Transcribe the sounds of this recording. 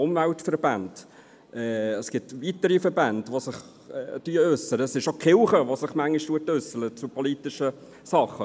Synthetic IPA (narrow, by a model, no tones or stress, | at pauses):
ʊmvæltfəɾbænd̥ | ʔɛːəsɡ̥ɪtvitəɾifɛɾbændʋosɪχ | tyəøsəɾəsɪʃokʰχɪlχəʋosɪχmæŋliʃtuətøsələt͡supʰɔlitɪʃə | sɑχːə